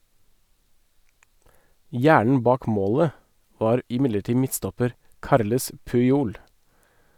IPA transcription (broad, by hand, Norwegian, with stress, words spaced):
ˈjæːɳɳ̩ ˈbɑːk ˈmoːlə ˈʋɑːɾ ɪˈmɪləˌʈiː ˈmɪtstɔpəɾ ˈkɑɾləs pʉɪˈuːl